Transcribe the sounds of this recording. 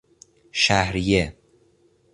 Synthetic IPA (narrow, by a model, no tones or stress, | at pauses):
ʃæhɾije